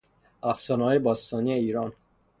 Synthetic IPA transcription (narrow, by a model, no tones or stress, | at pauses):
æfsɒːnɒːjebɒːst̪ɒːnijeiːɾɒːn